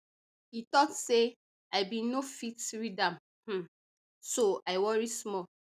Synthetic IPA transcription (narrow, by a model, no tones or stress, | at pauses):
itɔtse | aɪbĩnofitɹidãm | h̩ | soaɪwɔɹismɔl